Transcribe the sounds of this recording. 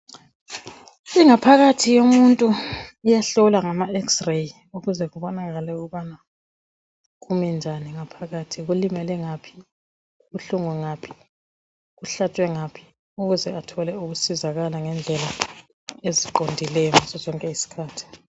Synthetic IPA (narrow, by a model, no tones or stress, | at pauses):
iŋapʰaɣatʰijomuntʼuujaɬɔlaŋamaɛksrej | uɣuzɛɣuβɔnaɣalɛuɣuβana | ɣumind͡ʒʱaniŋapʰaɣatʰiɣulimɛlɛŋapʰi̥ | ɣuɬuŋuŋapʰi̥ | ɣuɬatʰʼwɛŋapʰi̥ | uɣuzɛatʰɔlɛuɣusizaɣalaŋɛnd͡ɮʱɛla | eziǃondʱilɛŋɔsɔzɔŋkʼɛisi̥kʰaːtʰi̥